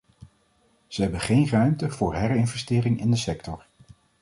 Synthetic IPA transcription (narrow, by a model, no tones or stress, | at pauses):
z̥əɦɛbənχejnrœɥmtəv̥ʊːɹɦɛɹɪnvɛstɪːrɪŋɪndəsɛktɔɹ